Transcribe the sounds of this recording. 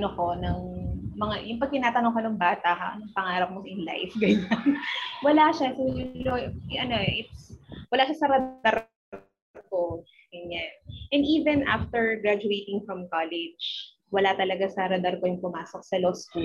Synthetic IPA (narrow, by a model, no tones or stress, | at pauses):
noko̞nɐŋmɐŋajʊŋpɐɡ̚kɪnaːt̪ɐnoŋkɐnɐŋbaːt̪ɐhnɐŋpɐŋaːɾɐp̚mosʔɪnla̰jfɡɐɲanwɐlaʃasoloʔɐnoʔɪt̪swɐlaːʃɐsɐɾɐd̪aɾ | ko | ɡɐɲanʔɛ̃nd̪iːvɛnʔa̰ft̪ɛɹɡɾad͡ʒʊejt̪ɪŋfɾɐmkalɛd͡ʒ | wɐlat̪ɐlɐɡasɐɾɐd̪ɐɾkojʊŋpʊmaːsok̚sɐlosku